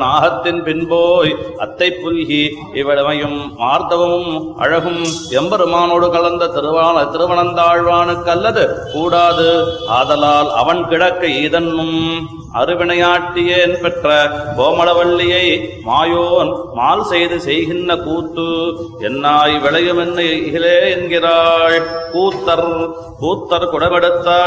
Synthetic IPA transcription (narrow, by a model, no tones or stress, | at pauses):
naːɦɐt̪ːɪnpɪnboːjɐ̰t̪ːɐɪpːʊlɣi | ɪʋɐɭmɐjɯmʋaːɾt̪ɐʋɐmɯmʔɐ̰ɻɐɣɯmɛmbɐɾɯmaːnoːɽɯkɐɭɐnd̪ɐt̪ɪɾɯʋaːnɐt̪ɪɾɯʋɐɳɐnd̪aːɻʋaːnɯkːɐlːɐðɯkuːɽaːðɯaːðɐlaːlɐ̰ʋɐnkɪɽɐkːɐiːðɐnːɯm | ɐ̰ɾɯʋɪɳɐjaːʈːɪjeːnpɛʈrɐkoːmɐɽɐʋɐɭːɪjɐɪmaːjoːnmaːlsɛjðɯsɛjɣɪnːɐkuːt̪ːɯɛnːaːjʋɪɭɐjɯmɛnːɯɪleːɛnɡɪraːɻkuːt̪ːɐɾ | kuːt̪ːɐɾkʊɽɐmɐɽɯt̪ːaː